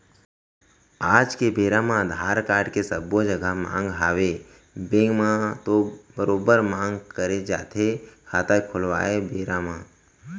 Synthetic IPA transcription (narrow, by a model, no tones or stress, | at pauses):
aːd͡ʒkebeːɾamãd̪ʱaːɾkaːɾɖkesəbod͡ʒəɡʱəmã̰ːŋɡɦaːʋe | bẽŋɡmãt̪obəɾoːbəɾmãːŋɡkəɾed͡ʒa̰ːt̪ʰekʰaːt̪akʰʊlʋa̰ːebeːɾãmã